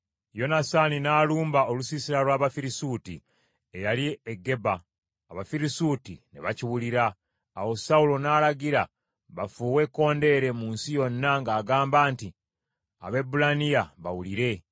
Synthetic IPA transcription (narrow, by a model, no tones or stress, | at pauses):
jo̞nasaninaːluːmbao̞lusisiɾalwaːβafiɾisuːtḭ | ejalieɡe̞baː | βafiɾisuːtine̞̰βaciwuliɾaː | wo̞saulo̞naːlaɡiɾa | βafuːwe̞kːo̞ːnde̞ɾe̞munsijo̞nːaŋɡaːɡaːmbaːnti | a̰βe̞bulanijaβawuliɾe̞